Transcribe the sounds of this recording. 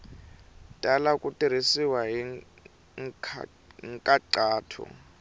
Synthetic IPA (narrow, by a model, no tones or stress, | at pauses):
tʼalakʼutʼiɾ̤isiwaɦiŋ | ŋ̰ʰ | ŋ̩kʼaǀaːtʰɔ̰